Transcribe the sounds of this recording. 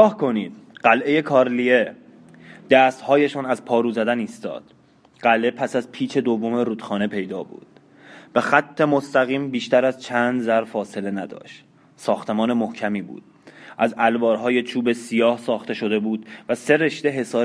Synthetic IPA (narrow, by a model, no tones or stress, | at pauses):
ɒːhkʰo̞niːd̪̥ɢ̥ælʔe̞je̞kʰɒːɾlie̞ | d̪̥æːst̪hɒːje̞ʃɒːnæzpʰɒːɾuːzæd̪æniːst̪ɒ̰ːd̪̥ | ɢ̥æle̞pʰæsæzpʰiːt͡ʃʰe̞d̪ovːomeɾuːd̪̥xɒːne̞pʰe̞jd̪ɒːbṵːd̪̥ | b̥e̞xæt̪ʰːe̞most̪æɣiːmbiːʃt̪æɾæzt͡ʃʰænd̪zæɾfɒːse̞le̞næd̪ɒ̰ːʃt̪ | sɒːxt̪ʰe̞mɒːne̞mohcʰæmiːbṵːd̪̥ | ʔæzælbɒːɾɦɒːje̞t͡ʃʰuːbe̞sijɒːhsɒːxt̪ʰe̞ʃo̞d̪e̞buːd̪̥væse̞ɾe̞ʃd̪e̞ɦe̞sɒː